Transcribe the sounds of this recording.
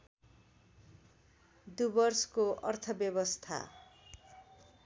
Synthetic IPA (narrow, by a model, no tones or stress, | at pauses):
d̪ubʌrskoʌrt̪ʰʌbjʌβʌst̪ʰa̰